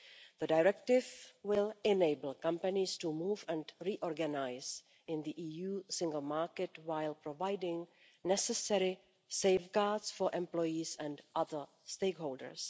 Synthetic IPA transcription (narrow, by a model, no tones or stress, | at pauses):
ð̥ədajɾɹɛk̚tɪvwɪlɛneɪbl̩ˠkãmpanɪstumuːvɛ̃ntɾiʔɔɹɡanajs | ʔɪ̃nd̪iʔiːjuːsɪ̃ŋɡl̩maɹkɛtwajlpɾovajdɪ̃ŋ | nɛsɛsɛɾɪ | seɪfɡaːdsfoɹʔɛ̃mplɔjisɛ̃ntʔaðə˞ | steɪkɦowldə̰˞s